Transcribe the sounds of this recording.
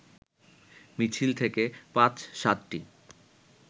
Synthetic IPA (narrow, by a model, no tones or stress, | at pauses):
mit͡ɕʰilt̪ʰekepãt͡ɕʃat̪ʈi